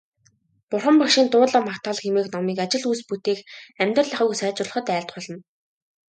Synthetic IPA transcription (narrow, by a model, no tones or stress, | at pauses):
pʊrχə̆mpɔkʃiːnt̪ʊːɮə̆makt̪ʰaːɮxemeːknɔmiːkat͡ɕɪ̆ɮujsput̪eːkæmʲt̪rə̆ɮaχʊ̆ːɣsæːt͡ɕʊ̆rɮə̆χə̆t̪æːɮt̪̚ɢʊɮɞ̆n